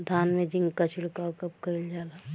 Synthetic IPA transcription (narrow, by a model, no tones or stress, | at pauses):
d̪ʱaːnmẽd͡ʒĩŋɡkat͡ʃʰɪɽkaːkɐp̚kəild͡ʒaːla